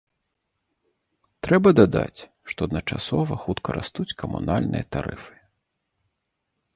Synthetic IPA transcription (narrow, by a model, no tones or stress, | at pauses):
t̪ɾɛbɐd̪ad̪a̰t͡sʲ | ʂt̪ɔɐd̪nɐt͡ʂasɔvɐxut̪kʰɐɾast̪ut͡sʲkɐmṵnalʲnɨjɐt̪aɾɨfɨ̥